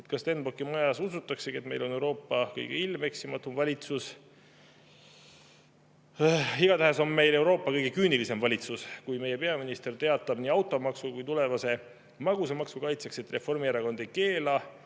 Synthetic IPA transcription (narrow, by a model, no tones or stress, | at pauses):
et̪kɑst̪e̞nbokːˑimojɑsus̬ut̪ːˑɑkseɡiet̪me̞jlo̞newɾo̞ːpːɑkɤjɡ̥eilme̞ksimɑt̪ːˑumvɑlʲit̪sus | iɡ̥ɑt̪æɦeso̞nme̞jle̞wɾo̞ːpːˑɑkɤjɡ̥e̞kyːnilise̞mvɑlʲit̪suskujme̞je̞pe̞ɑminist̪e̞rt̪e̞ɑt̪ːˑɑb̥niːɑwt̪ːˑo̞mɑksukujt̪ule̞vɑse̞ | mɑɡusemɑksukɑjt̪sekset̪re̞fo̞rmieɾɑko̞nd̪ejke̞ːlɑ